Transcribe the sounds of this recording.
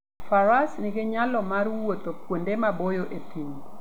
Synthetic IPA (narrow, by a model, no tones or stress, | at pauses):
faɾasnɪɡɪɲalɔmarwot̪opwondemabojoʔet̪iŋ